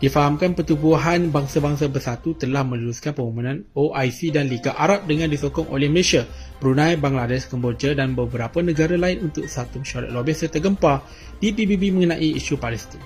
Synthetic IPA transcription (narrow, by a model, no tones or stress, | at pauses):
d̥ifaɦamkanpərt̪ubuɦanbaŋsabaŋsabərsat̪ut̪əlahmə̃luɾuskanpəmɔmũnãnoʔajsidanliɡaʔaɾap̚dəŋãndisokɔŋʔo̰lɛhməleʃia | pəɾunãjbaŋladɛskəmbord͡ʒadanbəbəɾapanə̃ɡaɾalaɪnunt̪ʊk̚sat̪uməʃuaɾa̰t̪̚lobihsət̪əɡəmpa | d̥ipibibimə̃ŋənãʔiiʃupalɛst̪in